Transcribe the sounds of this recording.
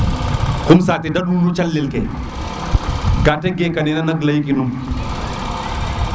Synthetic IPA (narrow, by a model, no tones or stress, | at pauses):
kumsaːt̪idɐɗulut͡ʃɐlːilkɛ̰ | ɡaːtɛɡekɐninɐnɐklɐjkinum